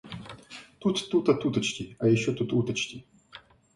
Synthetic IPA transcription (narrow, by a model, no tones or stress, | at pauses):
t̪ut̪ːut̪ɐt̪ut̪ɐt͡ɕtʲiɐjɪɕːot̪ut̪ut̪ɐt͡ɕtʲi